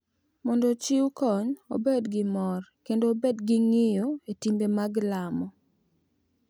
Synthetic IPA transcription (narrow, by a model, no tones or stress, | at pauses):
mɔndɔt͡ʃɪwukɔɲo̰bedɡɪmɔrkendoːbedɡɪŋɪjoetimbemaɡlamɔ